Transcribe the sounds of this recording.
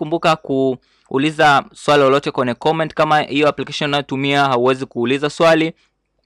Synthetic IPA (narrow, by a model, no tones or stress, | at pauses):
kumbukakuː | lizaswalilɔlɔtɛkwɛɲɛkɔmɛ̃ntkamahijɔaplikaʃɔnnajɔtumiaɦauwɛzikuːlizaswali